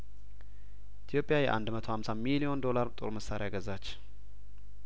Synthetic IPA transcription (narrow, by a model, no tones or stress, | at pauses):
ʔit̪ʰjo̞pʼɪjajɛ̰ʔa̰nd̪mət̪ʰo̞hamsamilio̞nd̪o̞laɾt̪ʼo̞̰ɾməsaɾeaɡəzat͡ʃː